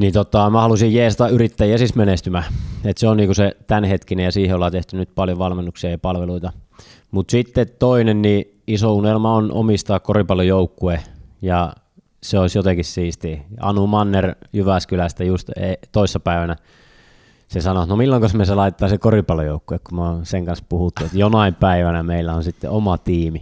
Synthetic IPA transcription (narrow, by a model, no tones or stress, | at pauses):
niːt̪ot̪ːɑɑˑmæhɑlusijjeːsit̪æyrit̪ːæjiæsismenest̪ymæet̪seonniːkuset̪ænhet̪kinejɑsiːheolːɑt̪eht̪ynyt̪̚pɑljoʋɑlmenːuksiɑjɑpɑlʋeluit̪ɑ | mut̪sit̪ːet̪t̪oinenni | isounelmɑono̰mist̪ɑːkkoripɑlːojoukːuejɑ | seoisjot̪ekissiːst̪iɑ̰numɑnːerjyʋæskylæst̪æjust̪et̪oisːɑpæiʋænæ | sesɑnot̪nomilːoŋkosmeselɑit̪et̪ːˑɑːsekoripɑlojoukːuekkumoseŋkɑnspuhut̪ːuet̪jonɑimpæiʋænæmeilːæonsit̪ːḛomɑt̪iːmi